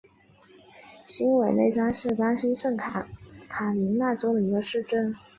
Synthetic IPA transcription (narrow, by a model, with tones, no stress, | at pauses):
ɕi˥ŋwe˨˩ɪne˥˩ɪʈ͡ʂa˥ŋʂɻ̩˥˩pa˥ɕi˥ʂə˥˩ŋʰ | kʰa˨˩li˧˥ŋna˥˩ʈ͡ʂo˥ʊd̪ə˨i˧˥ɡə˧ʂɻ̩˥˧ʈ͡ʂə˥˩n